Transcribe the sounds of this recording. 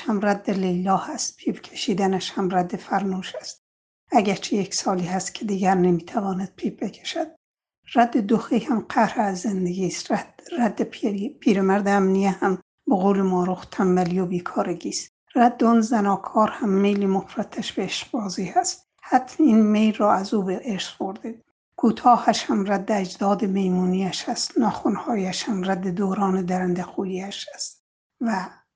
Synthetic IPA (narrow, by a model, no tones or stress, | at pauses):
hæmræd̪ːelejlːɒːhæst̪̚pʰiːpcʰe̥ʃiːd̪ænæʃhæmræd̪ːefæɾnuːʃæst̪̚ | æɟæɾt͡ʃʰejeksɒːliːhæst̪cʰed̪iːɡæɾnemiːt̪ʰævɒːnæd̪̥̚pʰiːb̚becʰe̥ʃæd̪̥̚ | ræd̪ːed̪oxiːhæmqʰæhɾeæzːend̪eɡʲiːst̪ræd̪ːepʰiːɾemæɾd̪eæmnijehæm | boɣoːlemɒːɾoxt̪ʰæmbælijobiːkʰɒːɾeɡiːst̪ | ræd̪ːonzænɒːkʰɒːɾhæmːejlimofɾæt̪ʰæʃbeeʃqbɒːziːhæst̪ | hæt̪ʰninmejlːɒːæzuːbeʔeɾsboɾd̪ed̪ | kʰuːt̪ʰɒːhæʃhæmræd̪ːææd͡ʒd̪ɒːd̪emejmuːniːæʃæst̪nɒːxunhɒːjæʃhæmræd̪ːed̪oːɾɑːned̪æɾænd̪æxuːjiːæʃæst̪ | væ